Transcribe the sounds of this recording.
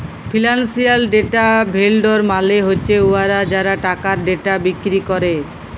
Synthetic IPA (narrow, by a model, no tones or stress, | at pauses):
pʰilansialɖeʈabʱelɖoɾmaleɦoːɕʰeuaɾad͡ʑaɾaʈakaɾɖeʈabikɾikɔɾe